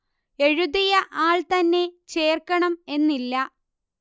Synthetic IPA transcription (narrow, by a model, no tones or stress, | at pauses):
e̞ɻuðijɐʔaːɭt̪ɐnːe̞t͡ɕe̞ːrkɐɳɐme̞nːilːɐ